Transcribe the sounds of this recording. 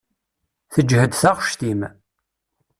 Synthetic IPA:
θəd͡ʒhəd̪θaʁʃt̪im

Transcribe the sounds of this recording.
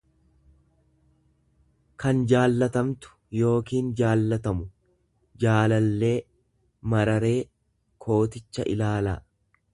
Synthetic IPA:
kɐnd͡ʒaːlːɐt̪ɐmt̪ʊ̥jo̞ːkiːnd͡ʒaːlːɐt̪ɐmʊ | d͡ʒaːlɐlːe̞ː | mɐɾɐɾe̞ː | kʰo̞ːt̪ɪt͡ʃːɐ̰ʔɪ̰laːlaː

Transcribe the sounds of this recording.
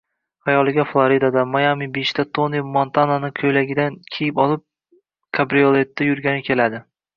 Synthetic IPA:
hajɒlˠɪɡʲaflˠaɾid̪ad̪amajamibeʃt̪at̪ʰonemont̪ʰananɪkʲʰɵjlaɡʲɪd̪ankʲʰejɪpɒlˠɪp̚ | kʰabɾijolˠe̞t̪ːajʊɾɡʲanɪkʲʰe̞lad̪ɪ

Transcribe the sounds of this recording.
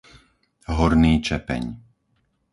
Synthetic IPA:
ɦɔɾniːt͡ʃɛpɛ̰ɲ

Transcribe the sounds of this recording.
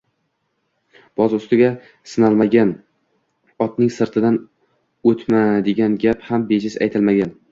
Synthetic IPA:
b̥ɒzʊst̪ɪɡʲa | sɪnalˠmaɡʲan | ɒt̪nɪŋsɪɾt̪ʰɪd̪an | ɵt̪mad̪eɡʲanɡʲaphambeʃɪza̰jt̪ʰɪlmaɡʲan

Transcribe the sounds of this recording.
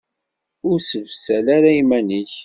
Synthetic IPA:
ʊɾsəvsælaɾaimæniç

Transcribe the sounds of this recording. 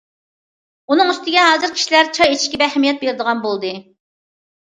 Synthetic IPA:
unɨŋyst̪ɪɡʲɛɦɑːzɨɾkʲʰi̥ʃilæɾt͡ʃʰɑjet͡ʃʰiʃkʲɛbɛhɛmijɛt̪̚beɾɪd̪əʁɑnbolˠd̪ɨ

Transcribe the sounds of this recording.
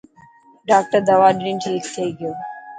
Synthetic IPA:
ɖaːk̚ʈəɾd̪ɐʋaːɖɾĩnʈʰiːkt̪ʰeiɡɪjoː

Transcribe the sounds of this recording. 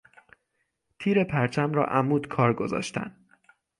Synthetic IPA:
t̪ʰiːɾe̞pʰæɾt͡ʃʰæmɾɒ̰ːʔæmuːd̪kʰɒːɾɡo̞zɒ̰ːʃt̪ʰæ̰n

